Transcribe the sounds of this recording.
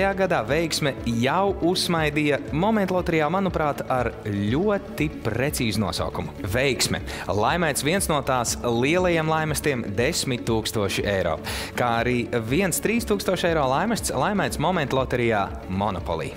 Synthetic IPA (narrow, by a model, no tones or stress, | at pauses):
jaːɡad̪aːvɛjksmɛjawusmajd̪ijɐmɔmɛ̃nt̪lˠɔt̪ɛɾijaːmanupɾaːt̪aɾlʲuɔt̪ipɾet̪siːzunuɔsa̰wkumuvejksmɛ̰ | lˠajmɛjt̪svʲiɛnsnuɔt̪aːslˠiɛlˠɐjeɛmlˠajmɛst̪iɛmd̪esmit̪ʲːuːkst̪uɔʃiejɾɔ̰ːkaːaɾiːviɛnst̪ɾiːst̪uːkst̪uɔʃɛjɾɔːlˠajmast̪slˠajmajt̪smɔmɛnt̪lˠɔt̪ɛɾijaː | mɔnɔpɔ̰lˠḭː